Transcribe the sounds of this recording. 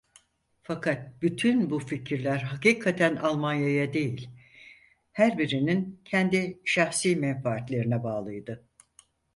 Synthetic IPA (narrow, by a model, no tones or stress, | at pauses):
fakʰat̪̚byt̪ʰynbuficʰiɾlʲæɾɦakiːkʰat̪ʰænalˠmanjajad̪e̞jilʲ | hæɾbiɾinincʰɛnd̪iʃaxsiːmɛnfaːt̪lʲe̞ɾinɛbaːlˠɯjd̪ɯ